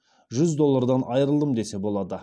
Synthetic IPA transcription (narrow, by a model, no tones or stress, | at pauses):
ʒʏzd̪o̞lˠːaɾd̪ɑnʔɑjəɾəlˠd̪əmd̪e̞se̞bo̞lˠɑd̪ə